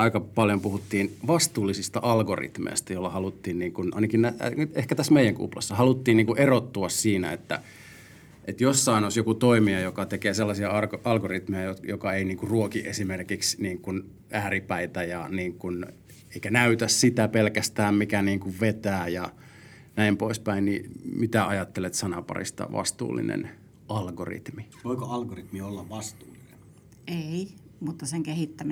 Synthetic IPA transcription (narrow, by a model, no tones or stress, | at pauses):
ɑikɑpɑljompuhut̪ːiːnʋɑst̪uːlːisist̪ɑʔɑlɡorḭt̪mḛist̪æjolːɑhɑlut̪ːiːnniːŋkunɑ̰inɑkinnæ̰ehkæt̪æsmeijæŋkṵplɑ̰sːɑhɑlut̪ːiːnniːŋkuʔerot̪ːuɑssiːnæ̰et̪ːæ̰ | ʔet̪josːɑinosjokut̪oimiɑjokɑt̪ekeːselːɑsiɑɑrɑlɡorit̪mejæjotjokɑeiniːŋkurruokiʔesimerkiksniːŋkun | æːripæit̪æjɑniːŋkun | eikænæyt̪æssit̪æpelkæst̪æːmmikæniːŋkuʋʋet̪æːjɑ | næimpoispæinnimit̪æɑjɑt̪ːelet̪sɑnɑpɑ̰rḭst̪ɑ̰ʋʔɑ̰st̪ṵːlːḭnḛn | ʔɑlɡo̰rḭt̪mi | ʋoikoɑlɡorit̪miolːɑʋʋɑst̪uːlːinen | ei | mut̪ːɑseŋkehit̪ːæmi